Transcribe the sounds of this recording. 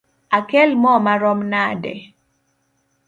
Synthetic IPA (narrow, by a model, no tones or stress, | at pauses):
akɛlmɔmaɾɔmnadɛ̰